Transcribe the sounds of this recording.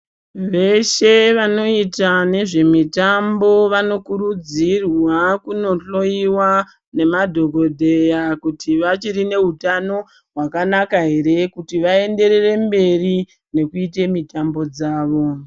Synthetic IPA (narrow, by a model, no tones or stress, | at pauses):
ʋe̞ʃe̞ʋano̞itane̞ʐe̞mitambo̞ʋano̞kuɾud͡zirwakuno̞ɬo̞iwa | ne̞madʱo̞ɡʱo̞dʱe̞jakutʰiʋat͡ʃiɾine̞ɦutano̞ | ɦwakanakaɦe̞ɾe̞kutiʋae̞nde̞ɾe̞re̞mbe̞ri | ne̞kuite̞mitambo̞d͡zaːʋo̞